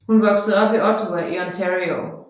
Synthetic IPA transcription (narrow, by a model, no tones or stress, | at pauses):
hunʋɒ̽ɡ̥sð̩ˠɒ̽b̥iʔɒ̽t͡sʰoʋæʔiɒnt͡sʰeʁio